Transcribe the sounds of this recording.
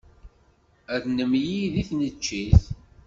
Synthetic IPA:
æðnəmjiðiθnət͡ʃːiθ

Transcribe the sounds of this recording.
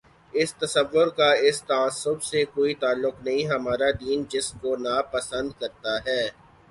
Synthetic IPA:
ɪst̪ɐsəʋːʊɾkaɪst̪aaːsʊbsekoːit̪aːlːʊknɐɦĩɦɐmaːɾad̪iːnd͡ʒɪskonapɐsə̃nd̪kɐɾt̪aɦɛː

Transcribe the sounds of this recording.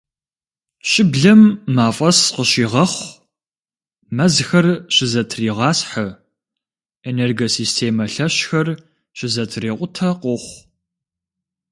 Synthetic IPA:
ɕʼɪbɮɐmːaːfʼɐsqəɕiːʁɐχʷ | mɐzxɐrɕɪzɐtʰriːʁɑːsħə | eneːrɡɐsiːstʰeːmɐɬɐɕxɐr | ɕɪzɐtʰreːqʷʼʊtʰɐqʷʊχʷ

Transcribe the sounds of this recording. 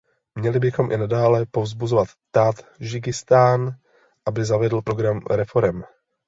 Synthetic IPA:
mɲɛlɪbɪxo̞mʔɪ̰nadaːlɛpo̞vzbuzovat̪t̪aːt̪ʒɪɡɪst̪aːn | ʔabɪzavɛdl̩pɾo̞ɡɾamɾɛfo̞ɾɛm

